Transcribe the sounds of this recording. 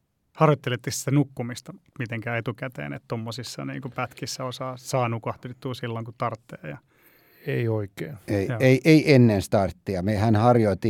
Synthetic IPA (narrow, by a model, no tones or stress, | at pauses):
hɑrjot̪ːelet̪ːisi̥t̪ænukːumist̪ɑmit̪eŋkæːet̪ukæt̪ḛːnḛt̪t̪omːosisːɑnḭːŋkupæt̪kisːæosɑːsɑːnukɑht̪it̪ːuːsilːoŋkut̪ɑrt̪ːeːjɑ | eioikeːeieiʔeiʔenːenst̪ɑrt̪ːiɑmehænhɑrjoit̪i